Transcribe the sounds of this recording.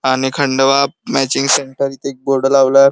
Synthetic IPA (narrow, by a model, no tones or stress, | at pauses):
añikʰəɳɖəʋap̚mɛt͡ɕiŋɡseɳʈəɾiːt̪ek̚boɾɖəlaʋlaɾ